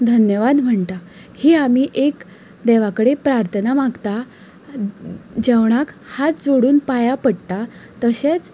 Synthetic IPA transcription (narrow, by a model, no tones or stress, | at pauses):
d̪ʱənjəʋad̪m̤əɳt̪a | hiamiːʔek | d̪eʋakəɽepɾaɾt̪ʰənamaɡt̪a | d͡ʑeʋɳ̃akhat̪̚d͡zoɽuːnpajapəɽt̪at̪əɕet͡s